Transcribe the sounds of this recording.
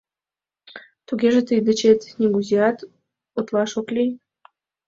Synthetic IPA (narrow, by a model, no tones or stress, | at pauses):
t̪uɡʲeʒə̆t̪ɨd̪ɨt͡ɕet̪nʲeɡuziɑt̪ | ot̪lɑʃoklʲi